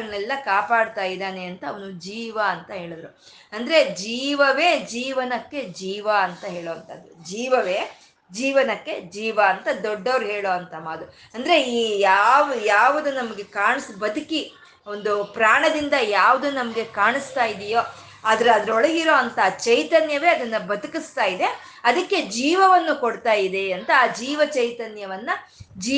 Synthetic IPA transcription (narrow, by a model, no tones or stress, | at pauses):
ɐnɛlːɐkaːpaːɽt̪aːjid̪aːneɐnt̪ɐːʋɐnud͡ʒiːʋɐːnt̪ɐɦe̞ːɭid̪ɾu | ɐnd̪ɐɾe̞d͡ʒiːʋɐʋe̞ːd͡ʒiːʋɐnɐkːe̞d͡ʒiːʋɐɐnt̪ɐɦeːɭoːɐnt̪ɐd̪ːud͡ʒiːʋɐʋeː | d͡ʒiːʋɐnɐkːe̞d͡ʒiːʋɐːnt̪ɐd̪ɔɖːɐʋɐɾuɦeːɭoːɐnt̪ɐmaːd̪u | ɐnd̪ɐɾe̞iːjaːʋjaːʋɐd̪unɐmɐɡe̞kaːɳsbɐd̪uki | o̞nd̪upɾaːɳɐd̪ind̪ɐjaːʋud̪unɐmɐɡe̞kaːɳist̪aːjid̪ijo̞ː | aːd̪ɐɾuɐd̪ɐɾɔɭɐɡiɾo̞ːɐnt̪ɐːt͡ʃɐjt̪ɐnjɐʋe̞ːɐd̪ɐnːɐbɐd̪ukist̪aːjid̪e̞ | ɐd̪ɐkːe̞d͡ʒiːʋɐʋɐnːukoɽt̪aːjid̪e̞ɐnt̪ɐaːd͡ʒiːʋɐt͡ʃɐjt̪ɐnjɐʋɐnːɐ | d͡ʒiː